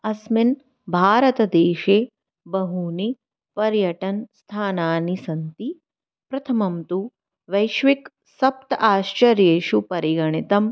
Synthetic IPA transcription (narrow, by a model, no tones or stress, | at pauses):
ɐsmin | bʱaːɾɐt̪ɐd̪eːʃeː | bɐɦuni | pɐɾjɐʈɐnst̪ʰaːnaːnisɐnt̪i | pɾɐt̪ʰɐmɐmt̪u | ʋɐjʃʋik | sɐp̚t̪ɐaːʃt͡ʃɐɾjeːʃupɐɾiɡɐɳit̪ɐm